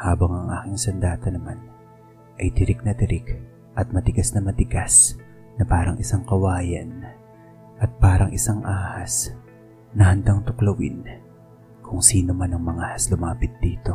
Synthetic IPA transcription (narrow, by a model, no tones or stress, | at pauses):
haːbɐŋɐŋʔa̰ːkɪŋsɐnd̪aːt̪ɐnɐman | ʔɐjt̪ɪɾɪk̚nɐt̪ɪɾɪk | ʔɐt̪̚mɐt̪ɪɡasnɐmɐt̪ɪɡas | nɐpaːɾɐŋʔɪsaŋkɐwaːjɐ̰n | ʔɐt̪̚paːɾɐŋʔɪsaŋʔaːhɐs | nɐhɐnd̪aŋt̪ʊklɐwɪ̰n | kʰʊŋsiːnomanɐŋmɐŋahɐslʊmaːpɪt̪̚d̪iːt̪o̞